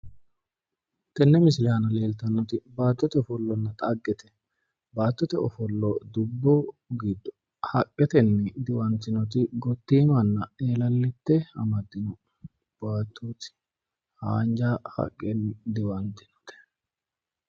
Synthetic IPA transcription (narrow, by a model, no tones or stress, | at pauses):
t̪ɛnːɛmɪsɪlɪanɐle̞ːlt̪ɐnːɔt̪ɪbaːt̪ːɔt̪ɛɔfɔlːɔnːɐt̪ʼɐɡːɛt̪ɛ | baːt̪ːɔt̪ɛɔfɔlːɔd̪ʊbːɔɡiːd̪ːɔ̥ | hɐkʼːɛt̪ɛnːɛd̪ɪwɐnt̪ːɪnɔt̪ɪɡɔt̪ːiːmɐnːɐeːlɐlːɪt̪ːɛɐ̰mɐd̪ːɪnɔ | b̥aːt̪ʰːuːt̪ɪ̥ | haːnd͡ʒahɐ̰kʼːɛnːd̪ɪwɐnt̪ɪ̥nɔ̥t̪ɛ̥